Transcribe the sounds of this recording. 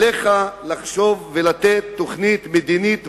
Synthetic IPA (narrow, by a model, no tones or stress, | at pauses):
eχalaχʃo̞vːelat̪et̪ːo̞χnit̪med̪init̪